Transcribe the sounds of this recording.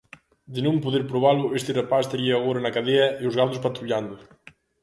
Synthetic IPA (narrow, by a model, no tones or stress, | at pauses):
d̪ɪnõmpoðeɾpɾoβalʊest̪ɪrepast̪eɾiɐːɣoɾɐnɐkaðeɐeʊzɣaðʊs̬pat̪ɾuʎand̪ʊ